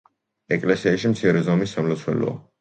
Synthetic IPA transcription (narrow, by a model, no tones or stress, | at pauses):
ɛkʼlɛsiaʃimt̪sʰiɾɛzɔmisːamlɔt̪sʰwɛ̰lɔ̰a̰